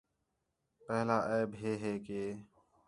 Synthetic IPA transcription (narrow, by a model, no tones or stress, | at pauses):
pɛɦlaːʔeːbɦeːɦeːkeː